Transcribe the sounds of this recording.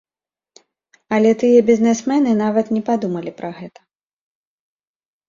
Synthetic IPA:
ɐlʲɛt̪ɨjɐbʲizʲnɛsmɛnɨnavɐt̪nʲɛpad̪umɐlʲipɾʔɐɣɛt̪ɐ̥

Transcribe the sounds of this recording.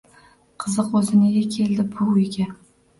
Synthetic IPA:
qʰɨzɨqozɪnɪɡʲakʲʰe̞ld̪ɪbʊʊjɡʲa

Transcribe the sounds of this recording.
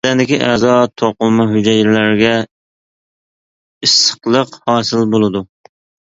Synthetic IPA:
ɛnd̪ɪkʲiʔɛzɑt̪ʰoqʊlˠmɛɦyd͡ʒɛjlæɾɡʲɛ | ɨsə̥qlˠəqhɑːsɨlbolˠɨd̪u

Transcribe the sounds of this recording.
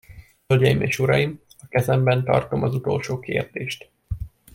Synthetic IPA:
hølɟɛjimḛːʃuɾɒjim | ɒkɛzɛmbɛnt̪ɒ̰rt̪o̞mɒzut̪o̞lʃoːkḛːrd̪eːʃt̪

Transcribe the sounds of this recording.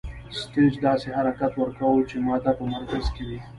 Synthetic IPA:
sʈed͡ʒd̪ɑːseɦaɾakat̪wəɾkawət͡ʃemɑt̪apəmaɾkazkewi

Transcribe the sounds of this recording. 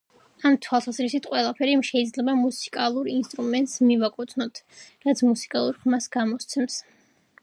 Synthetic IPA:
amt̪ʰwalˠsazɾisit̪ʰqʼwɛlˠapʰɛɾiʃɛid̪zlɛbamusi̥kʼalˠuɾinst̪ʼɾumɛnt̪ʼsmivakʼɔt̪sʰnɔt̪ʰɾat̪sʰmusi̥kʼalˠuɾχmasɡamɔst̪sʰɛms

